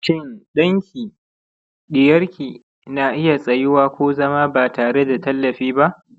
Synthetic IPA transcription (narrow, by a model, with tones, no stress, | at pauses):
ʃɪ˦nɗɐ˦ŋkʲʰiː˨ | ɗɪ˨jɐ˦rkʲiː˨ | naː˨ʔɪ˦ja˨sʼɐ˨jɪ˦waː˦kʷoː˦zɐ˦maː˦baː˨taː˨ɽe˦da˨tɐ˦lːɐ˨ɸiː˦ba˦ʔ